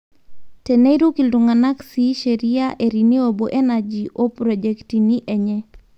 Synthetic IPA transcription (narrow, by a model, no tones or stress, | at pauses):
tɛneiɾukilduŋanaksiʃeɾiaʔeɾinioboʔɛnad͡ʒiʔopɾɔd͡ʒɛktiniʔɛɲɛ